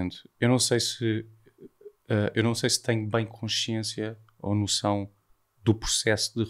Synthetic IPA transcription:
nt̪ewnɐ̃w̃sejsɨ | aewnɐ̃w̃sejsɨ̥t̪ɐ̃ɲubɐ̃j̃kʰõʃiẽsjɐ | o̰nusɐ̃w̃ | d̪upɾu̥sɛsud̪ɨ

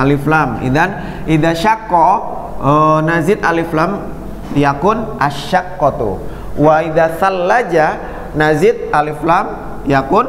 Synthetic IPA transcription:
aliflamḭd̪an | id̪aʃakːɔ | ənazɪt̪aliflam | jakʊnʔaʃːakːɔt̪ṵ | waid̪asalːad͡ʒa | nazɪt̪̚aliflam | jakʊn

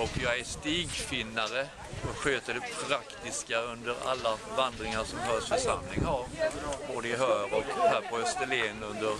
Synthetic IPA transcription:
ɔkjɑːɡæɾst̪iːɡfɪnːaɾə | ɔɧøːt̪əɖɛpʰɾakt̪ɪskaɵnd̪əɾa̰lːavand̪ɾɪŋaʂɔmhœːʂfœʂamlɪŋhaɾboːd̪əɪɦœːɾɔkhæːɾpʰɔœst̪əleːnɵnd̪əɾ

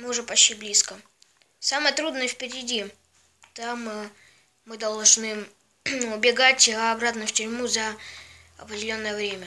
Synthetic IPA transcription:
mɨʊʐɛpɐɕːʲiblʲiskə | samɨjət̪ɾud̪nəjəfpʲɪɾʲɪdʲi | t̪amː | ɨd̪ɐlˠʐnɨ | ʊbʲɪɡatʲɐbɾat̪nəftʲʏɾʲmuzə | ɐpɾʲɪdʲɪlʲo̞nːəjəvɾʲemʲə

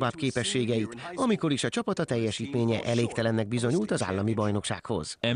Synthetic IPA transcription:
vaːbkeːpɛʃːeːɡɛjit̪ɒmiko̞ɾiʃɒt͡ʃɒpɒt̪ɒt̪ɛjːɛʃiːt̪meːɲɛʔɛleːkt̪ɛlɛnːɛɡ̚bizo̞ɲult̪ɒza̰ːlːɒmibɒjno̞kʃa̰ːkho̞̰z̥ɛ

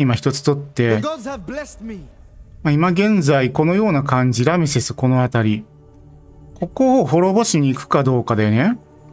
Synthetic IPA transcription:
imaçi̥t̪o̞t͡sɨ̥t̪o̞t̪ːe̞zɛsmi | maimaɡẽ̞nd͡zaiko̞no̞jo̞ːnakãɲ̟d͡ʑiɾamisesɨ̥ko̞no̞at̪aɾʲi | ko̞koɦo̞ɾo̞bo̞ɕiɲ̟iːkɯ̟̥kad̪o̞ːkad̪ene̞

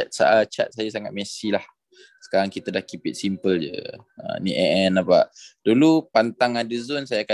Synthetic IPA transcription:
at̪̚sa̰at͡ʃa̰t̪̚sajasaŋat̪̚mɛsilah | sə̥kaɾaŋkit̪adahkipɪt̪̚simpəld͡ʒə̰ | ə̰nḭʔɛʔɛnapa̰ʔdulupant̪aŋadəzɔnsajaːka

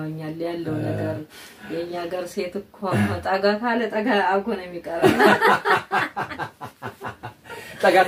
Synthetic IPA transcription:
wɲːalːjalːəwnəɡəɾ | jɛɲːaɡəɾset̪ɨkʰamːət̪ʼaɡat̪ʰalət̪ʼəɡaaβɡonjɛmːikʼəɾəβ | t̪ʼəɡa

